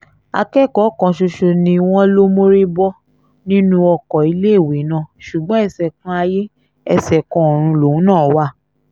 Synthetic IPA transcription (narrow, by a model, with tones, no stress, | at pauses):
a̰˧kɛ˦˨kɔ˨˦kã˧ʃo˧ʃo˧nĩ˧w̃ɔ̃˦lo˦mo˦ɾi˦bɔ˦ | nĩ˦nũ˦ɔ˧kɔ˨i˨˧˦le˦˨we˨˦nã˦˨ʃu˨ɡ͡bɔ̃˦ɛ˦˨sɛ˨kɔ̃˧˦a˧je˦ | ɛ˧sɛ˨kɔ̃˧˦ɔ˨ɾ̃ũ˧lo˨ũ˨˦nãː˦˨wa˦˨